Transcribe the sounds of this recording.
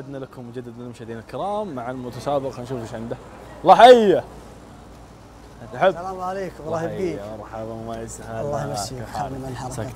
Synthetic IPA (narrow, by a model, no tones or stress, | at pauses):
ad̪nalakʊmːʊd͡ʒad̪ːad̪mɪnmʊʃd̪eːnalkɪɾɑːmːaʕalmʊt̪aʃaːbɪɣhanʃuːfɪʃʕɪmd̪a | lˤːɑːħaʔijːa | ʔat̪aħabaaleːkˤɑhiːɑɾˤħabamajɪshaaħa̰ːlasa